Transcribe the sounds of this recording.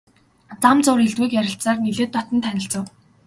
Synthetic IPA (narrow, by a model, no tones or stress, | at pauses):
t͡samt͡sʊːɾiɮt̪wuːkjæɾʲɪ̆ɬsaːrniɮeːt̪pɔt̪ə̆nt̪ʰænʲɪ̆ɬt͡sə̆w